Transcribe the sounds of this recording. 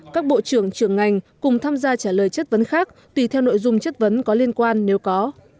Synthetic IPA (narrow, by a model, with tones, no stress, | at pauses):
kaː˦˥k̚ɓo̰˧˨t͡ɕɨ˧˩əŋt͡ɕɨ˧˩əŋːa˨˩jŋ̟kʊ˨˩ŋ͡mt̪ʰaː˧mzaː˧t͡ɕaː˧˩ləː˨˩jt͡ɕə˦˥t̚və˨˦nxaː˦˥k̚t̪wi˧˩t̪ʰɛ˧wno̰˧˨jzʊ˧ŋ͡mt͡ɕə˦˥t̚və˨˦nkɔ˨˦li˧ənkwaː˧nːe˨˦wkɔ˨˦